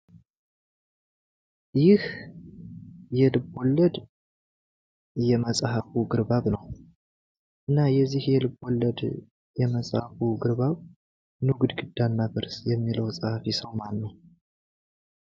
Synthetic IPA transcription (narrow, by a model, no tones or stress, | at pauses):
jɪh | jɛlɨbolːəd̪ | jɛməsʼhafuɡɨɾbaβnəw | ʔɨnːajɛzːihjɛlɨbo̞lːəd̪ | jɛməsʼhafuɡɨɾbaβ | nuɡd̪ɡɨd̪ːanːabɨɾsjɛmːiləwsʼahafisəwmanːəw